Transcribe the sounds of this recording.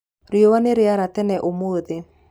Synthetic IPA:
ɾjowaneɾeaɾatɛnɛʔomoːðe

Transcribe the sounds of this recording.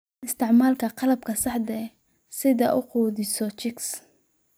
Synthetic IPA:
ɪst̪ʰɪʕmaːlkʰɐqɑlɐb̚kʰɐsɑħd̪ɛ | sɪðɐʔʊquːðɪsɔt͡ʃɪks

